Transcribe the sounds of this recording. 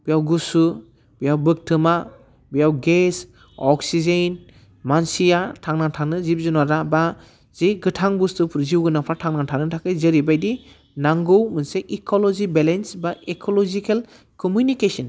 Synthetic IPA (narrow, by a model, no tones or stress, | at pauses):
b̥ijawɡusu | bijawbɯk̚tʰɯma | bijawɡes | ɔksizen | mansijatʰaŋnaŋtʰaŋnɯzip̚zunaɾaba | z̥eɡɯtʰaŋbustɯpʰuɾziwɡɯnapʰɾatʰaŋnaŋtʰaŋnɯtʰakɯjzɯɾibajdi | naŋɡɯwmɯnseʔikʰɔlɔzibelensbaekʰɔlɔzikʰel | kɔmjunikesɔn